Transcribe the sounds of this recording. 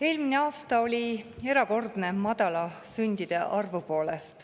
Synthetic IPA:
e̞ːlmine̞ɑːst̪ɑo̞lʲie̞ɾɑko̞rd̪ne̞mɑd̪̥ɑlɑsynʲd̪̥id̪̥e̞ʔɑrvupo̞ːle̞st̪

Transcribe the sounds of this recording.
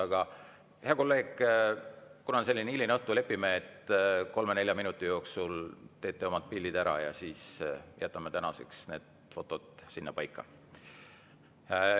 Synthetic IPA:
ɑɡ̥ɑ | heɑko̞lːe̞ːɡ̥ | kunɑse̞lʲːineilineɤht̪ule̞pːimeet̪ko̞lmene̞lʲjɑminut̪ːˑijo̞ːksult̪e̞ːt̪ːˑeo̞mɑd̪̥̚pilʲːid̪æɾɑ̰jɑ̰siːsjæt̪ːˑɑmːet̪ænɑsḛksne̞̰ːd̪̥ | fo̞t̪ːˑo̞d̪̥sinːɑpɑjkˑːɑ̰

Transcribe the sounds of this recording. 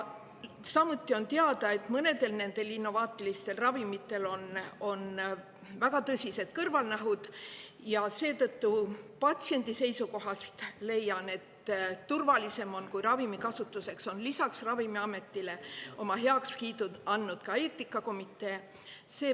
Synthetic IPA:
sɑmut̪ːˑio̞nt̪eɑd̪̥ɑe̞t̪mɤne̞d̪e̞lne̞nd̪̥e̞linːo̞vɑːt̪ːˑilist̪e̞lrɑvimit̪ˑːe̞lo̞no̞n | væɡ̥ɑt̪ɤsʲise̞d̪̥kɤrvɑlnæɦud̪̥ | jɑse̞ːt̪ɤt̪ːupɑt̪ʲsie̞nd̪̥ise̞jsuko̞ɦɑst̪le̞jːɑne̞t̪ːurvɑlise̞mo̞nkujrɑvimikɑsut̪ːˑuse̞kso̞nlisɑksrɑvimiɑme̞t̪ːˑile̞o̞mɑɦe̞ɑkskiːt̪uɑnːud̪̥kɑe̞ːt̪ːˑikːˑɑko̞mit̪ːˑe̞ː | se̞ː

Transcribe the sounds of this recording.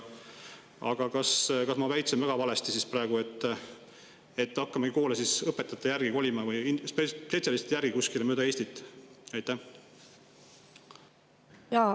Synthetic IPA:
ɑ̰ɡ̥ɑkɑskɑsmɑvæjt̪senvæɡ̥ɑvɑlest̪isisprɑe̞ɡ̥ue̞t̪ːˑ | e̞t̪ːɑkːɑmɑɡiko̞ːlesisɤpːet̪ːˑɑt̪ːˑɑjærɡ̥iko̞lʲimɑvɯjisppe̞t̪siɑliset̪jærɡ̥ikuskilemøːd̪ɑe̞ːsʲt̪it̪ːˑɑjt̪ːˑæh | jɑ

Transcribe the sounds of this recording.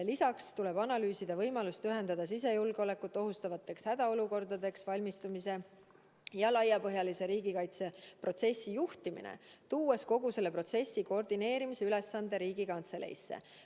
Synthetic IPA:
lisɑkst̪ule̞b̥ɑnɑlyːsid̪̥ɑvɤjmɑlust̪yɦe̞nd̪̥ɑd̪̥ɑsis̬e̞julɡ̥eo̞lekːˑut̪ːˑo̞ɦust̪ɑvɑt̪ːˑe̞kshæd̪̥ɑo̞luko̞rd̪̥ɑd̪e̞ksvɑlʲmist̪umise̞ | jɑlɑjːɑpɤ̞ɦjɑlise̞ɾiːɡ̥ikɑjt̪se̞pro̞t̪se̞sʲːijuht̪imḭnḛt̪uːesko̞ɡuse̞lːepro̞t̪se̞sːikord̪ine̞ːɾimise̞yle̞sːɑnd̪̥e̞ɾiːɡ̥ikɑnt̪se̞lḛjsːḛ

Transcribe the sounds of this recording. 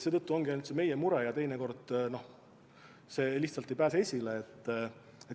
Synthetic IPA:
se̞t̪ɤt̪ːuo̞ŋɡiɑnut̪seme̞jemuɾejɑt̪e̞jneko̞rd̪̥no̞ | se̞ːliçht̪sɑlt̪ːˑejpæːseesʲileːt̪ː | e

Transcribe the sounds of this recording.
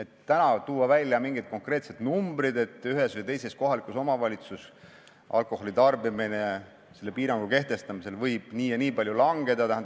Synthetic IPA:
e̞t̪ːænɑt̪uːwɑvælʲjɑmiŋɡ̥id̪̚ko̞ŋkre̞ːt̪se̞d̪̥numbɾid̪e̞t̪ːˑyɦe̞svɨjt̪e̞jse̞sko̞ɦɑlikˑuso̞mɑvɑlʲit̪sus | ʔɑ̰lkˑo̞ho̞lit̪ɑrbimine̞ | se̞lːe̞piːɾɑŋɡ̥uke̞ht̪e̞st̪ɑmise̞lvɤjb̥niːjɑniːpɑlʲjulɑŋɡe̞d̪ɑt̪æɦæn

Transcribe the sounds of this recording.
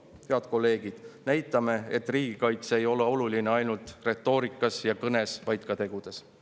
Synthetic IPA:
heɑd̪̥ko̞lːe̞ːɡ̥id̪̥næjt̪ːˑɑme̞et̪ːriːɡ̥ikɑjt̪se̞jo̞leo̞lulineɑjnult̪re̞t̪ːˑo̞ːɾikːˑɑsjɑkɤne̞svɑjt̪̚kɑt̪e̞ɡ̥ud̪̥e̞s

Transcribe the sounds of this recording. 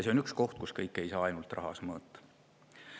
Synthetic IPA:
se̞o̞nyksko̞ht̪̚kuskɤjkːˑe̞jsɑːɑjnult̪ˑrʔɑ̰ɦɑ̰smɤːt̪ːɑ̥

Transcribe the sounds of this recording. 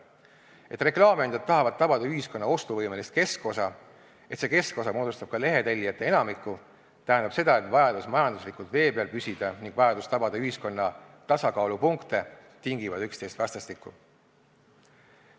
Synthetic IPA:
e̞t̪ːˑre̞klɑːmeɑnd̪̥ɑd̪t̪ːɑɦɑvɑd̪̚t̪ːɑb̥ɑd̪̥ɑyɦisko̞nːɑo̞st̪uvɤjme̞list̪̚ke̞sko̞sɑ | e̞t̪se̞ke̞sko̞sɑmo̞ːd̪ust̪ɑb̥̚kɑle̞ɦe̞t̪elʲːijɑt̪ːˑe̞e̞nɑmikːˑu | t̪æɦænd̪̥ɑb̥se̞d̪̥ɑe̞t̪vɑjɑd̪̥usmɑjɑnd̪uslikult̪ve̞ːbeɑlpysʲid̪̥ɑniŋɡ̥vɑjɑd̪ust̪ɑbɑd̪̥ɑyɦisko̞nːɑ | t̪ɑsɑkɑːlupuŋkt̪e̞ | t̪iŋɡivɑd̪ykst̪e̞jst̪vɑst̪ɑst̪ikːˑu

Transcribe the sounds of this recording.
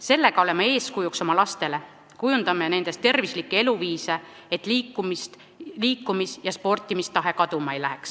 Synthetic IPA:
se̞lːe̞ɡ̥ɑo̞le̞mɑe̞ːskujukso̞mɑlɑst̪e̞le̞ | kujund̪̥ɑmːene̞nd̪e̞st̪ːe̞rvislikːe̞e̞luviːse̞ | et̪ːˑliːkːumist̪ | liːkːumisjɑspo̞rt̪ːˑimist̪ɑɦe̞kɑd̪̥umɑejlæɦeks

